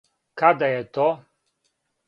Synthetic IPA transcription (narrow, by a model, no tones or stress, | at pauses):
kad̪ajɛt̪ɔ